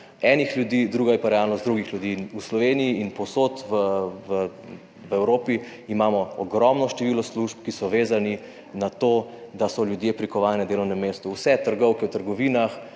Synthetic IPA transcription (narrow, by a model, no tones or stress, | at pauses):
ɛːnixljud̪iːd̪ɾuːɡajɛpaɾɛalnɔst̪d̪ɾuːɡixljud̪iːnuslɔʋeːniiːnpɔwsot̪ʋəʋə | ʋɛwɾoːpiː | mamɔɔɡɾɔmnɔʃt̪ɛʋiːlɔsluʒpkisɔʋeːzani | nat̪oːd̪asɔljud̪jepɾikɔʋaːlnɛnd̪eːlɔwnɛmːeːst̪uwsɛt̪əɾɡɔwkɛwt̪əɾɡɔʋiːnax